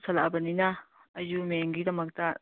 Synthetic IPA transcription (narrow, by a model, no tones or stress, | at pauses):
sɐla̰bɐninɐː | jumeŋɡidɐmɐk̚tɐ